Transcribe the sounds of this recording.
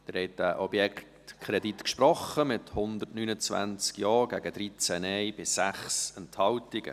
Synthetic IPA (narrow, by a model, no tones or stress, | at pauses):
d̥̪ɪɾhɛɪt̚dæʔɔbjɛkt | kʰχɾɛditkʃpɾɔχəmɪthʊnd̪ətnynət͡sʋæ̰nt͡skjɑːɡ̥æɡəd̥̪ɾit͡sɛnɛɪb̥ɪsːæχsɛnthɑltɪɡ̥ə̰